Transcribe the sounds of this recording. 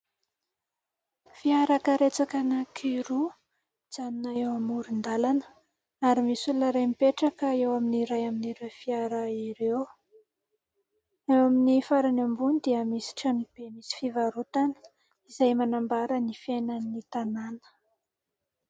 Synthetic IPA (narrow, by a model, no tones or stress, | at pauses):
fiaɾakəɾet͡sakanakʰiɾu | z̥aninaewamuɾind̪alanə̥ | aɾimisulunəɾejmipeʈ͡ʂakəewaminiɾajaminiɾewfiaɾəiɾew | ewaminifaɾanambunid̪iəmisi̥ʈ͡ʂanib̥emisi̥fivaɾut̪anə̥ | izajmanambaɾənifenanit̪ananə̥